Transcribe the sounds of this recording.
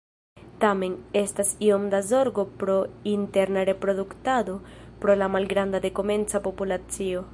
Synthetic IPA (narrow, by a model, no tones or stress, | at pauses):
t̪ame̞nest̪asiomd̪azo̞ɾɡopɾo̞int̪e̞ɾnaɾe̞pɾo̞dukt̪ad̪o̞ | pɾolamalɡɾand̪ad̪e̞kome̞nt͡sapo̞pulat͡sio